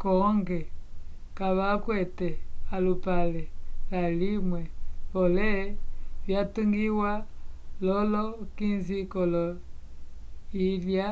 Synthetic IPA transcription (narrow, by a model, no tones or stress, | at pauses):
kɔŋɡɛ | kaβakwɛtɛalupalɛlalimwɛβɔlɛβjatuŋɡiwalɔlɔkinzikɔlɔ | ilja